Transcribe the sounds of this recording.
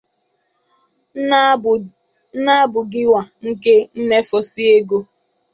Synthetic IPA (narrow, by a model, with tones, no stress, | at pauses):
na˦bʊ˨ɡɪ˦wa˨ŋ̩˦ke˦n̩˦ne˦fɔ˨si˦e˦ɡo˦